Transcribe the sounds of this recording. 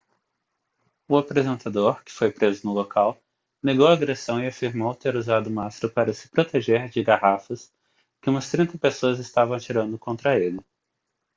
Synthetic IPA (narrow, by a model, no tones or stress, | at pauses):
ʊapɾezẽnt̪ad̪oɾkɪ̥fojpɾezʊnʊlokʰaw | neɡowaːɡɾesɐ̃w̃ɪafiɾmowt̪eɾuzad̪ʊumasɾʊpaɾɐsɪ̥pɾot̪eʒeɾd͡ʒɪɡahafɐs | kɪũmɐst̪ɾĩnt̪ɐpesoɐzɪst̪avɐ̃w̃at͡ʃiɾɐ̃nd̪ʊkõnt̪ɾɐelɪ